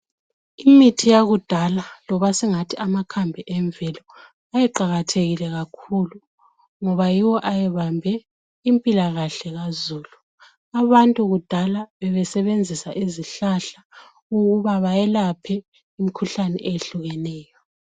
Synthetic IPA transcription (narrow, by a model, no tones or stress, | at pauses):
imitʰijaɣud̥ʱalalɔβasɛŋatʰiʔamakʰambʱɛʔɛɱb̪vʱɛlɔ | ajɛǃaɣatʰeɣilɛɣakʰulu | ŋɔβajiwɔʔajɛβambʱɛ | impʼilaɣaɬɛɣazuːlu | aβantʼuɣud̥ʱalaβɛβɛsɛβend͡zʱisaʔiziɬaɬa | uɣuβaβajɛlapʰɛ | imikʰuɬanɛ̰ʔejeɬuɣɛnɛːjɔ